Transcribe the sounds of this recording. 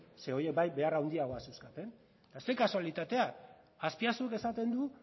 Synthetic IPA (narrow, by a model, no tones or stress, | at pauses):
se̞oje̞k̚bajbe̞arawnd̪iaɣo̞aseuskat̪e̞n | t̪aest̪e̞kasoalit̪at̪e̞a | aspiasueke̞sat̪e̞nd̪u